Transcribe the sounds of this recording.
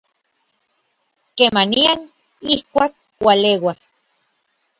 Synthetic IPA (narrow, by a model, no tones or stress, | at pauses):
kemaniaŋ | ihkʷak̚ | walewa